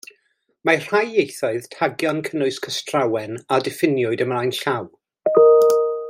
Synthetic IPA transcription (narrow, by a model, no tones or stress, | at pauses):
mar̥ajjejθɔɨð̥tʰaɡjɔnkʰənʊɨskʰəstʰrawɛnadɪfɪnjʊɨdəmlajnɬaw